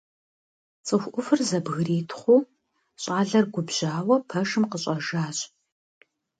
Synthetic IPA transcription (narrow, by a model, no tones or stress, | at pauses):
t͡sʼɨxʷʔʷʊfɨrzɐbɣriːtʰχʷuː | ɕʼaːɮɐrɡʷʊbʑ̥aːwɐpʰɐʂɨmqəɕʼɐʒaːɕʼ